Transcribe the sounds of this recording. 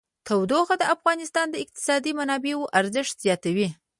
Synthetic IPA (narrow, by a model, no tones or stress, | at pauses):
t̪ʰawd̪oxad̪əafɣɑnɪst̪ɑnd̪əɪq̚t̪ɪ̥sɑd̪imanɑbewoʔaɾzəʂt̪z̥jɑt̪awi